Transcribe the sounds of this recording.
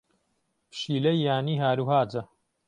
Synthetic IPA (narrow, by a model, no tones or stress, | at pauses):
pʃiːlɐjːaːniːɦaːɾuːɦaːd͡ʒɐ